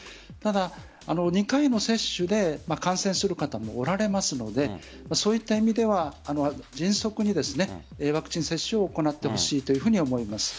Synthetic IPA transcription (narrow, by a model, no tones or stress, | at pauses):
t̪ad̪aː | no̞ɲ̟ikaino̞se̞ɕːɨd̪e̞makãɰ̃sẽ̞ɰ̃sɨɾɯ̟kat̪amo̞̰ːɾaɾe̞masɨno̞d̪e̞ | maso̞ːit̪ːaimʲid̪e̞βaːno̞d͡ʑĩɰ̃so̞kɯ̟ɲ̟id̪e̞sɨne̞βakɯ̟̥t͡ɕĩse̞ɕːɨo̞ːko̞nat̪ːe̞ho̞ɕiːt̪o̞jɯ̟ɸɯ̟ɲ̟io̞mo̞imasɨ̥